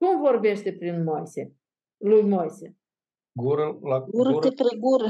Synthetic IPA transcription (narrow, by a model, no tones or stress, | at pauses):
kumvo̞rbe̞ʃt̪e̞pɾinmojse | lujmojse | ɡuɾəlaɡuɾət̪ɾeɡuɾ